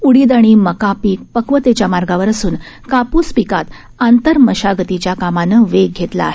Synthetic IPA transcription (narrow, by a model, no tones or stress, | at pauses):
uɽiːd̪aɽ̃iməkapiːk̚pəkʋət̪et͡ɕjamaɾɡaʋəɾəsuːn | kapuːspikat̪ | ant̪əɾməɕaɡət̪it͡ɕjakamanəʋeɡ̚ɡʱet̪la̰ːɦe